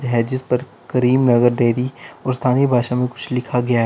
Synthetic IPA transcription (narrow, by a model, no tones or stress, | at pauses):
ɦɛd͡ʒɪspɐɾ | kɐɾiːmnɐɡəɾɖeːɾiɔːɾst̪ʰaːnibʱaːʃamẽkʊt͡ʃʰlɪkʰaɡɐjaɦ